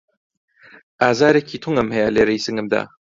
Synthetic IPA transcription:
aːzaːɾekʰiːt̪ʰuŋɐmhɛjaleːɾɐjsɨŋɡɨmd̪a̰

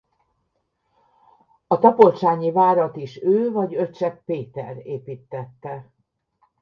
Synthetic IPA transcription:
ɒt̪ɒpo̞lt͡ʃaːɲivaːɾɒt̪iʃøːvɒɟøtt͡ʃɛk̚peːt̪ɛ̰reːpiːt̪ːɛt̪ːɛ

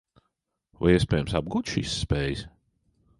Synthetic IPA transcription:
va̰jiɛspɛːjɛmsab̚ɡuːt̪ʃḭsːpɛːjɨs

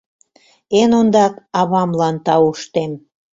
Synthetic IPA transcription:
enond̪ɑkɑβɑmlɑnt̪ɑuʃt̪em

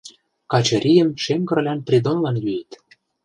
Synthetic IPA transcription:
kɑt͡ɕɤ̆ɾʲʔʲijə̆mʃemɡɤ̆rlʲænprʲid̪onlɑnjyjit̪

